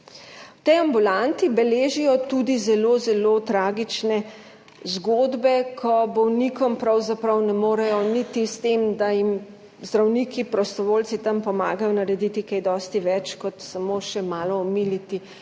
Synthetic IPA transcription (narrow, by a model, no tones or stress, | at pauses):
wt̪ɛjambulant̪ibɛleːʒijɔt̪ud̪izɛloːzɛlot̪ɾaːɡit͡ʃnɛ | zɡoːd̪bɛkʰɔbɔwnikɔmpɾawzapɾɐwnɛmoːɾɛjɔnit̪ist̪emd̪ajim | zd̪ɾawnikipɾɔst̪ɔʋoːlt͡ssit̪ɐmpɔmaːɡajɔnɐɾɛd̪it̪ikajd̪ɔːst̪iʋɛt͡ʃkɔt̪samoʃɛmaːlɔːmilit̪i